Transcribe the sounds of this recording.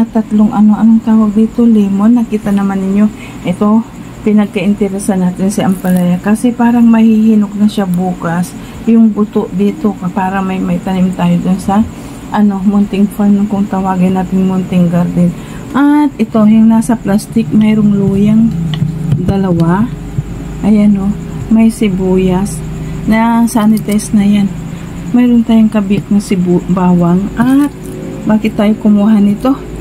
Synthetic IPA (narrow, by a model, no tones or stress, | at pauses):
ɐt̪ɐt̪loŋʔɐno̞ʔɐnoŋt̪aːwɐɡ̚d̪iːt̪o̞lɛːmonːɐkiːt̪ɐnɐmanːɪɲo̞ | ʔɛt̪o̞ | pɪnɐɡ̚kɐʔɪnt̪ɛɾɛsɐnaːt̪ɪnsɐʔɐmpɐlɐjakɐsɛpaːɾɐŋmɐhihinok̚nɐʃabuːkɐs | jʊŋbʊt̪oʔd̪iːt̪o̞kɐpaːɾɐmɐjmɐp̪ɐnimt̪aːjod̪ʊnsɐ | ʔɐno̞mʊnt̪ɪŋfanːʊŋkʊŋt̪ɐwaːɡɐjnaːt̪ɪŋmʊnt̪ɪŋɡɐɾd̪ɪn | ʔɐt̪̚ʔɪt̪o̞jʊŋnaːsɐplast̪ɪk̚mɛɾoŋluːjɐŋ | d̪ɐlɐwa | ʔɐjʔɐno̞ | mɐjsɪbuːjɐs | nɐsanɪt̪ɛsnɐjan | mɛjɾont̪aːjʊŋkɐbɪk̚nɐsɪbubaːwɐŋɐt̪̚ | baːkɪt̪ːaːjokʊmuːɦɐnɪt̪o̞